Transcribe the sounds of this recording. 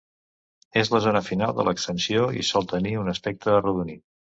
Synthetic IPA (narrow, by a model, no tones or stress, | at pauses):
ezləzonəfinalˠd̪ə̰ləkst̪ənsioḭsɔlˠt̪əniunəspɛk̚t̪əːruðunit̪̚